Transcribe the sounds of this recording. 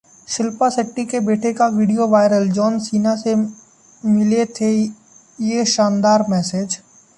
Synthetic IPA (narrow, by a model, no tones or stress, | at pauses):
ʃɪlpasɪʈːikebeːʈʰekaʋiːɖijoʋaːɪɾəld͡ʒɔːnsiːnase | mɪlet̪ʰe | jeʃãːnd̪aːɾmɛːseːd͡ʒ